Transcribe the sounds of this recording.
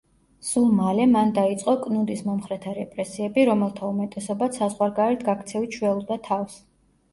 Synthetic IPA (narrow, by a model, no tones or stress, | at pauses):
sulˠmalɛmand̪ait̪sʼqʼɔkʼnud̪ismɔmχɾɛt̪ʰaɾɛpʼɾɛsiɛbiɾɔmɛlˠt̪ʰaumɛt̪ʼɛsɔbat̪sazʁwaɾɡaɾɛɾt̪ʰɡakʰt̪sʰɛvit͡ʃʰwɛlˠud̪at̪ʰafs